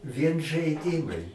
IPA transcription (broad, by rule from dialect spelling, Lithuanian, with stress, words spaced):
ʋʲiɛn ʒɐɪˈdʲɪmɐɪ